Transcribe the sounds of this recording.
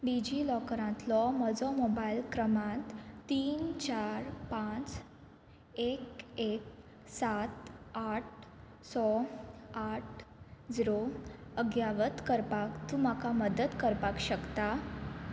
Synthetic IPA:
ɖid͡ʑilɔkɾãt̪lɔməd͡zɔmobailkɾəmãt̪ːiːnt͡ɕaɾpãt͡s | ekek̚ | sat̪aʈ̚ʰ | sɔ | aʈʰd͡ziɾoəɡjaʋət̪kəɾpakt̪um̤akaməd̪ət̪kəɾpakɕəkt̪a

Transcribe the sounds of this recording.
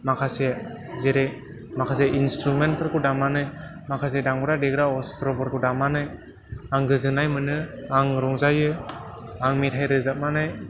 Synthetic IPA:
makʰase | zeɾej | makʰas̬eʔinstɾument̚pʰɯɾkudamanɯj | makʰas̬edaŋbɯɾadeɡɾaɔstɾɔpɯɾkudamanɯj | aŋɡɯzɯnajmɯnɯaŋɾɔŋzajɯ | aŋmitʰajɾɯzap̚manɯj

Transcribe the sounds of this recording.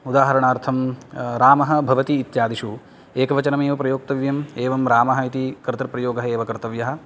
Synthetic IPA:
ud̪aːɦɐɾɐɳaːɾt̪ʰɐmɾaːmɐɦɐ̆bʱɐʋɐt̪iːt̪jaːd̪iʃu | eːkɐʋɐt͡ʃɐnɐmeːʋɐpɾɐjoːk̚t̪ɐʋjɐmeːʋɐmɾaːmɐɦɐit̪ikɾɨt̪ɾɐpɾɐjoːɡɐɦɐeːʋɐkɐɾt̪ɐʋjɐɦɐ̆

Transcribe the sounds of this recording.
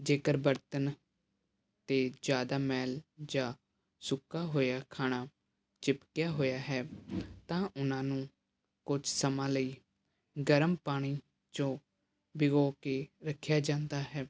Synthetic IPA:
d͡ʒeːkəɾbəɾt̪ən | t̪eːd͡ʒjaːd̪aːmɛːld͡ʒãː | sʊkːaːɦoːjaːkʰaːɽ̃aː | t͡ʃɪpkjaːɦoːjaːɦɛːt̪ãːʔʊnãːnũː | kʊt͡ʃsəmãːləiː | ɡəɾəmpaːɽ̃iː | t͡ʃõː | bɪɡoːkeːɾəkʰːjaːd͡ʒãːnd̪aːɦɛː

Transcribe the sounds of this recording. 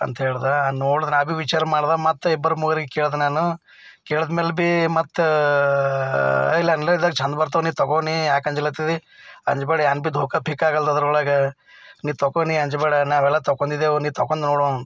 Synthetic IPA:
ɐ̰nt̪ɐɦeːɭd̪anoːɽd̪ɐnabiʋit͡ʃaːɾɐmaːɽd̪amɐt̪ːɛbːɐɾumuɡɐɾiɡekeːɭd̪naːnu | keːɭɐd̪meːlbimɐt̪ː | ilːɐnlːeid̪aːɡt͡ʃʰɐnd̪bɐɾt̪̬ɐniːt̪ɔkoːnijaːkɐɲd͡ʒɐlɐt̪id̪iɐɲd͡ʒbɐːɽɐjaːnbid̪ʱoːkɐpʰikːaːɡɐld̪ɐd̪ɐɾulaːɡɐ | niːt̪ɔkoːniɐɲd͡ʒɐbɐɽɐnaːʋɛlːɐt̪ɔkːond̪id̪eniːt̪ɔkːoːnd̪noːɽo

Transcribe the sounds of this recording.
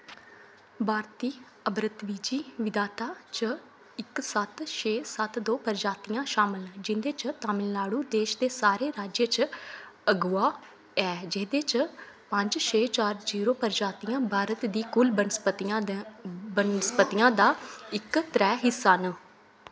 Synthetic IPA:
bʱaːɾt̪iː | əbɾət̪ʋiːd͡ʒiːʋɪd̪aːt̪aːt͡ʃə | ɪksət̪ʃʰeːsət̪d̪oːpəɾd͡ʒaːt̪ijãːʃaːmɪld͡ʒɪnd̪eːt͡ʃt̪aːmɪlːaːɽuːd̪eːʃd̪eːsaːɾeːɾaːd͡ʒjət͡ʃ | əɡʊːaː | ɛːd͡ʒɪːd̪eːt͡ʃpə̃ɲd͡ʒt͡ʃʰeːt͡ʃaːɾd͡ʒiːɾoːpəɾd͡ʒaːt̪ijãːbʱaːɾət̪d̪iːkʊlbən | bənspət̪ijãːd̪aːɪkt̪ɾɛːɦɪsan

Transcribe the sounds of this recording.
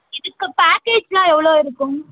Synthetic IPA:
ɪðɯkːɐpaːkeːd͡ʒlãːɛʋːɐɭoːɪɾɯkːʊ̃

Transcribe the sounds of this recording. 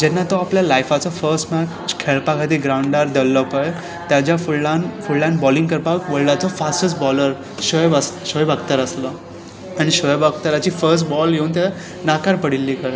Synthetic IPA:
d͡ʑɛnːat̪ɔapljalajfat͡sɔfəɾsʈmæt͡ɕt͡ɕkʰeɭpakʰat̪iːɡɾawɳɖaɾd̪elːəpəj | t̪jad͡ʑjafuɭanfuɭlãnbɔliŋɡkəɾpakʋəɭlat͡sɔfasʈət͡sbɔləɾ | ɕəjbasɕəjbaɡt̪əɾəslɔ | aɽ̃iɕəjbaɡ̚t̪əɾat͡ɕiːfəɾs̬ʈbɔljeunt̪ja | nakaɾpəɽilːikəɭ

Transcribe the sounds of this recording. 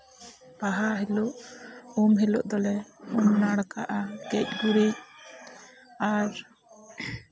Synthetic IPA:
paɦaɦiloʔumɦilṵʔd̪ɔlɛumnaɽkaʔaɡɛc̚ˀɡuɾic̚ | aɾ

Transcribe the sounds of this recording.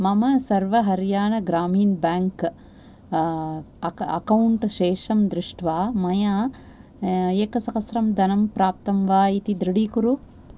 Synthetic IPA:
mɐmɐsɐɾʋɐɦɐɾjaːɳɐɡɾaːmiːnbaːŋk | ɐ̰kɐwuɳʈʃeːʂɐmd̪ɾɪʂʈʰʋaːmɐjaː | eːkɐsɐkɐsɾɐmd̪ɐnɐmpɾaːp̚t̪ɐmʋaːit̪id̪ɾiɽiːkuɾu

